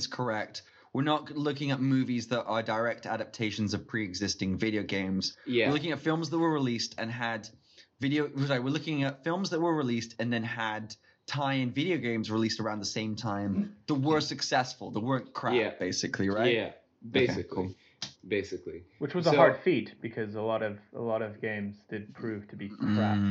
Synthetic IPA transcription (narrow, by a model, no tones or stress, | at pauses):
z̥kʰə˞ɛk̚t̚ | wəɹnətlʊk̬ɪ̃ŋɨt̚mʉvizðəɾə˞dəɹɛk̚tʰæ̰ɾɨp̚tʰeɪʃn̩zʌv̥pʰɹ̥iɨɡzɪstɪ̃ŋvɪɾioʊɡẽɪ̃mz̥jæɨɹlʊkɪ̃ŋɨtfɪlˠmzðət̚wə˞ɹɨlistɨ̃nɨd | vɪɾioʊzaɪwəɹlʊkɪ̃ŋɨtfɪlˠmzðət̚wə˞ɹɨlistʰɨ̃nðɨ̃nɨd̚ | tʰãɪ̃ɨ̃nvɪɾioʊɡẽɪ̃mzɹilistə˞ãʊ̃nðəsẽɪ̃mtʰãɪ̃mðəwə˞sɨksɛsfl̩ˠðəwɜ̃˞nkʰɹ̥ææb̥eɪsɨkʰliɹaɪæ | beɪɨkʰli | b̥eɪsɨkliwɨt͡ʃwʌzəhɑɹd̥fitb̥ɨkʰʌzəlɔɾʌvəlɔɾʌvɡẽɪ̃mzdɨd̚pʰɹ̥ʉv̥tʰɨbikʰɹ̥æ